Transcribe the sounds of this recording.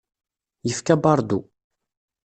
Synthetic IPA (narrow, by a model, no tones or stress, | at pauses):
jəfkæbɑɾˤd̪u